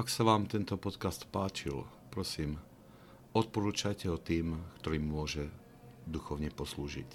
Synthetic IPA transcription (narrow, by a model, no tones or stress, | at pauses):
aksaʋaːmt̪ɛnt̪ɔpɔt̪kast̪paːt͡ʃil | pɾɔsiːm | ɔt̪̚pɔɾuːt͡ʃajcɛɦɔt̪iːmkt̪ɔɾiːmːʊɔʒɛ | d̪uxɔʊɲɛpɔsluːʒḭc